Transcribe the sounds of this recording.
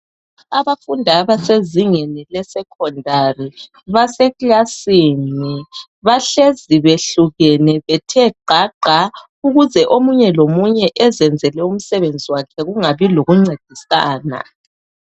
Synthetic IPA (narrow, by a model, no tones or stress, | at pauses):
aβafundʱaβaseziŋɛnɛlɛsɛkʰɔndʱari | βasɛɣlasiːni | βaɬeziβeɬuɣɛnɛβɛtʰɛǃaǃa | uɣuzɛʔomuɲɛlomuɲɛʔɛzɛnd͡zʱɛlɛum̩sɛβend͡zʱiwakʰɛɣuŋaβiloɣuŋ͡ǀed̥ʱisaːna̰